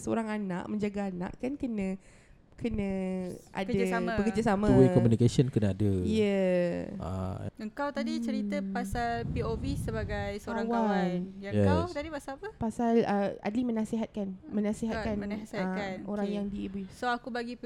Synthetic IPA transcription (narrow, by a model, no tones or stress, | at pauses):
səo̰ɾaŋana̰ʔmə̃ɲd͡ʒaɡaːna̰ʔkankənə̃ | kənə̃a̰daabəkərd͡ʒasamãwikɔmũnikasənkənaadəijə | a̰əŋkawt̪adit͡ʃəɾit̪əpasalpiobisəbaɡajsəaɾawaəat̪adipasapəpasaləa̰dlimənãsiɦat̪̚kanmənãsiɦat̪kananoɾaŋjaŋdiibuisoakubaɡi